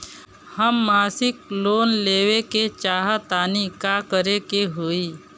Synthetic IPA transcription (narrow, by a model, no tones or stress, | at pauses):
həmːaːsɪkloːnleːweket͡ʃaːɦat̪aːnikaːkəɾekeɦoiː